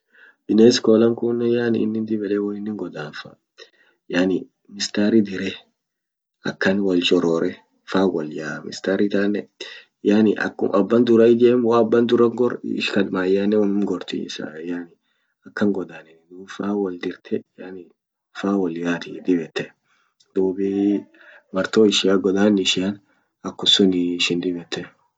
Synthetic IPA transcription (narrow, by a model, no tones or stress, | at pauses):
b̥ɪneːskoːlɐŋkunːɛjaːnɪɪnːɪnd̪ɪbɛlɛwɔnɪnːɪŋɡɔd̪aːnfɐ̰ | jaːnɪ | mɪst̪aːɾɪd̪ɪɾɛ | ɐ̰kːɐnwɐlt͡ʃʼɔɾɔːɾʔɛ | faːwɔljaːmɪ̰st̪aːɾɪt̪aːnːɛ | jaːnɪʔɐ̰kːʊ̰ʔɐbːɐnd̪ʊɾɐɪd͡ʒ̪eːmwaːbːɐnd̪ʊɾɐŋɡɔɾɪʃkɐd̪maːjanɛwɔmɪŋɡɔɾt̪ḭɪ̰sa̰ːjaːnɪ | ɐkːɐŋɡɔd̪aːnɛd̪uːbfaːwɔld̪ɪɾt̪ʰɛjaːnɪ | faːwɔljaːt̪ɪd̪ɪbɛt̪ːɛ | d̪̥uːbɪ | mɐɾt̪oːɪʃɪaɡɔd̪aːnɪʃɪan | ɐkːʊsʊnɪʃɪnd̪ɪbɛt̪ːɛ